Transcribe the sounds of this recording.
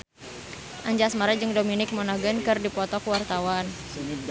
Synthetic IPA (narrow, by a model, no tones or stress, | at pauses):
ʔaɲd͡ʒasmaɾad͡ʒɨŋdominɪk̚mɔnaɡənkɨrdipɔt̪ɔkuwart̪awan